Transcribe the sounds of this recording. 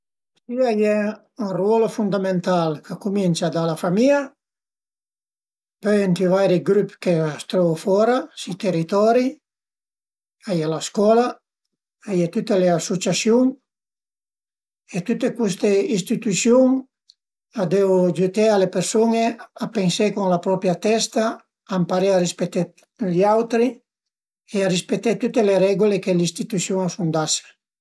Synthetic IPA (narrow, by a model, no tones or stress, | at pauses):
siajɛ | unrwɔlofund̪ament̪alkʰakuminsad̪alafamia | pøjent̪ivajɾiɡɾupkeast̪ɾɔofɔɾasit̪erit̪ɔɾi | ajalaskɔla | ajet̪ut̪ːeleasut͡ʃasjuŋ | et̪ut̪ːekwust̪eist̪it̪usjuŋ | ad̪eod͡ʒut̪ealepersoneapeŋsekoŋlapɾɔpɾjat̪ɛst̪aː | mpaɾearispet̪ːe | ʎawt̪ɾi | earispet̪ːet̪ut̪ːeleɾɛɡolekelist̪it̪usjuŋasund̪ase̥